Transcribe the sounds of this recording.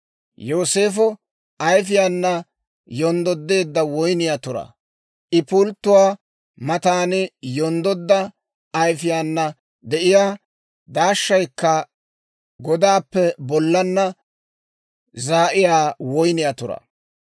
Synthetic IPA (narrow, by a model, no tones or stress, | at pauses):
joːse̞ːfɔ | ɐjfɪjanːɐ | jɔnd̪ɔd̪ːe̞ːd̪ːɐwɔjnɪjat̪ʊɾɐ̰ | ʔɪpʊlt̪ːʊwaː | mɐt̪aːnɪjɔnd̪ɔd̪ːɐː | jfɪjaːnːɐ | d̪ɛʔɪjaː | d̪aːʃːɐjkːɐ | ɡɔd̪aːpːɛbɔlːɐnːɐ | zaːʔɪjaːwɔjnɪjat̪ʊɾɐ̰